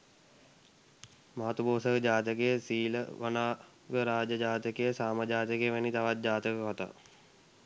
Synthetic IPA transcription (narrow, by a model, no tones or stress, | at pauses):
maɦat̪uboːsəkəd͡ʑaːt̪̬əkejəsiːləʋənaː | ʋəɾaːd͡ʒəd͡ʒaːt̪əkejəsaːməd͡ʒaːt̪əkejəʋænit̪aʋat̪̚d͡ʑaːt̪əkəkot̪a̰